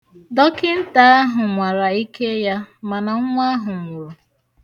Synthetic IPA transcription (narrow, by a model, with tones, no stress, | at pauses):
dɔ˦kɪ˦n̩˦ta˨˦a˦ɦʊ˨ŋʷa˨ɾa˨i˦kʰe˦ja˦ma˨na˨ŋ̩˦ŋʷa˦ɦʊ˨ŋ̩˨wo˨